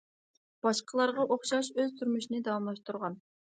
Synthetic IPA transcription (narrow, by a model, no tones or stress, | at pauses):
b̥ɑʃqʰəlˠɑɾʁɑʔoχʃɑʃøz̥t̪ʰyɾmyʃinɪd̪ɑwɑmlˠɑʃt̪uɾʁɑn